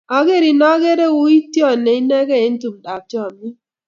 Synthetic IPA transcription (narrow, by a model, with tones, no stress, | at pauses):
a˨ɡe˦˨ɾi˨nɔ˦ɡe˦ɾe˦˨wu˦i˦tjɔ˦˨ne˨i˦ne˦ɡɛ˦e˨˦n̩˦tu˨m˨da˨tjɔ˦˨mi˦